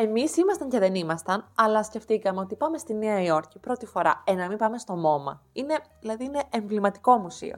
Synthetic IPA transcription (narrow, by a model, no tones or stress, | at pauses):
e̞misimɐst̪ɐɲce̞ðe̞nimɐst̪ɐnɐlɐsce̞ft̪ikɐme̞o̞t̪ipɐme̞st̪ineɐio̞ɾcipɾo̞t̪ifo̞ɾɐ̰enɐmipɐme̞st̪o̞mo̞mɐ̰ | ine̞ðilɐðiine̞ʔeɱvlimɐt̪i̥ko̞musḭo̞̰